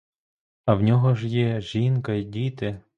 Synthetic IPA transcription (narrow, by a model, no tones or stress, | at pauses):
ɐwnʲɔɦɔʒjɛʒinkɐidʲit̪ɪ